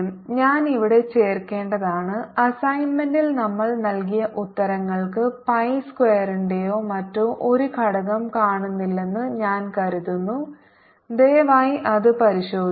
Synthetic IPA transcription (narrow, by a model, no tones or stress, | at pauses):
mɲaːniʋiɽe̞t͡ɕe̞ːrke̞ːɳɖɐðaːɳɨɐsɐjnmɐndilnɐmːɐɭnɐlkijɐʔut̪ːɐɾɐŋːɐɭkɨpɐjskweːɐɾiɳɖejoːmɐtːumʔo̞ɾukʰɐɽɐɣɐmkaːɳunːilːe̞nːɨɲaːnkɐɾuðunːu | d̪eːʋaːjiʔɐðɨpɐɾiɕo̞ːd̪